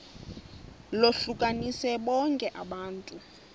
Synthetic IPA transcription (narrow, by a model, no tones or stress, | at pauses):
loɬukʼanisɛɓɔŋkʼɛʔaɓaːntʼu